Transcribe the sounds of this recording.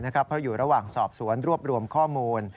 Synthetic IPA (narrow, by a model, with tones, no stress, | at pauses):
na˦˥kʰa˦˥pʰɾɔ˦˥juː˨˩ɾa˧waː˨˩ŋsɔː˨˩p̚su˩˦ənɾu˥˩əp̚ɾu˧əmkʰɔː˥˩muː˧n